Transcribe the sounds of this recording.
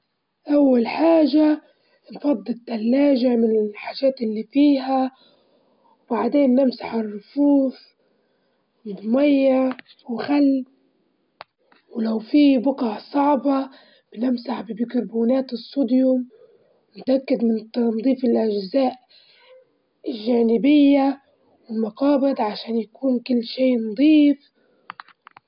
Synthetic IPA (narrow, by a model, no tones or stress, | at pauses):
ʔawːalħaːʒa | nfɑd̪ˤːɨt̪ːalːaːʒamɪnɪlħaːʒaːt̪ɪlːiːfiːɦa | wbaʕd̪eːnːɪmsaħɪrːʊfuːθ | mɪd̪majːa | wxalː | wlawfibʊqɑʕsˤɑʕbɑ | b̥ɪnɪmsaħbɪbɪkɪɾbuːnaːt̪ɨsˤːud̪jʊm | nʊt̪ʔakːad̪mɪnt̪nd̪ˤiːfɪlʔaʒzaːʔ | ɪlʒaːnɪbɪjːa | wɪlmɑqɑːbɪd̪ʕaʃaːnjakuːnkɪlːʃeːnd̪ˤiːf